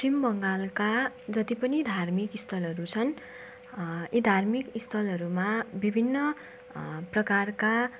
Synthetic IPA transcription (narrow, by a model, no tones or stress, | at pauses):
ʌimbʌŋɡalkad͡zʌt̪ipʌnid̪ʱarmikist̪ʰʌlʌɾut͡sʰʌn | id̪ʱarmikist̪ʰʌlɦʌɾumabibʱinːʌ | prʌkarka